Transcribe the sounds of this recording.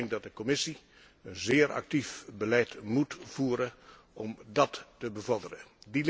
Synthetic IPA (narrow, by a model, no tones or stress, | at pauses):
ŋk̚dɑt̚dəkɔmɪsi | ənzɪːəɹʔɑ̰k̚tifbəlɛjtmutfuːɾə | ʔɔmdɑtːəbəvɔɹdərə̰dil